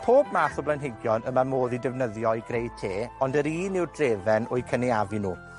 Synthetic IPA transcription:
pʰoːbmaːθɔblˠajnɦɪɡjɔnəmamoːðidɛvnəðjɔjɡrejtʰeːɔndəɾiːnɪwdreːvɛnʊjkʰəniavinuː

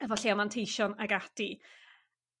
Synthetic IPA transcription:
əvɔɬiːamantʰejʃɔnaɡad̥i

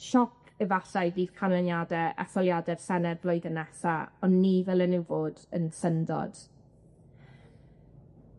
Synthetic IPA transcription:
ʃɔkʰɛvasaɨviːð̥kʰanənjadɛʔa̰θɔlˠjadɛr̥sɛnɛdvlˠɔɨðənɛsaɔnːivɛlˠənuwvoːdənsəndɔ̰d̥

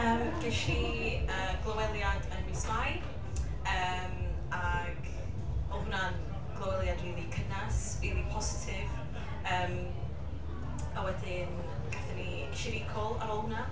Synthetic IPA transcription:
əːmɡ̥ɪʃiəːɡ̥lˠəwɛlˠjadənmismaj | əː | m | a | ɡ̥ | ounan | ɡ̥lˠowɛlˠjadriːlˠikʰənasriːlˠipʰɔsɪ̥tʰɪv | əːm | əwɛdɪn | ɡ̥aθɛni | ʃɪɾikʰɔlˠa̰ɾoːlˠuna

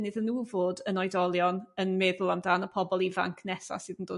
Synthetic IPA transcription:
nɪðənːuːvoːdənɔjdɔlˠjɔnənmɛðʊlˠamdaːnəpʰɔbɔlˠiva̰ŋkʰnɛsa̰sɨːdəndoː

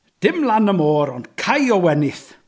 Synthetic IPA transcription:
d̥ɪmlˠanəmoːɾɔnd̥kʰajɔwɛnɪθ

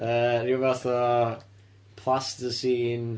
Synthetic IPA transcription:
əɾivɛθɔ | pʰl̥astəsiːn

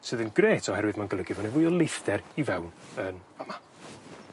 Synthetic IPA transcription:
sɨːðənɡreːtʰɔhɛɾwɨðmanɡəlˠəɡɪvɔnɛvʊːɨɔlˠejθd̥ɛɾivɛwnənama

